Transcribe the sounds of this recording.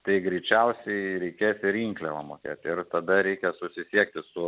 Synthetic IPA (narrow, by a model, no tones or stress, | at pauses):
t̪ɐɪɡɾʲɛɪt͡ʃʲɛʊsʲɛɪɾʲɛɪkʲeːsɪɾiːŋklʲɛʋɐmoːkʲeːt̪ʲɪrt̪ɐd̪ɐɾʲɛɪkʲɛsʊsʲɪsʲiɛkt̪ʲɪsʊ